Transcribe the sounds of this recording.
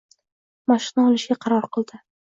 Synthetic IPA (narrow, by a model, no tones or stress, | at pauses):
maʃɪnaɒlˠɪʃɡʲaqʰɑɾɒɾqɨlˠd̪ɪ